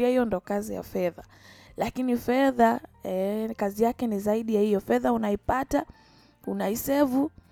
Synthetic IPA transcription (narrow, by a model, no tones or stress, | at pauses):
ahijɔndɔkazija̰fɛða | lakinifɛðaɛkazijakɛnizaiɗijahijɔfɛðaunaipata | unaisɛvu